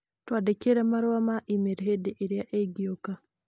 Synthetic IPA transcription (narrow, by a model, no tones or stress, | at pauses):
twaːdekeɾamaɾwamaʔimeɾɦediʔeɾjaʔeɡioka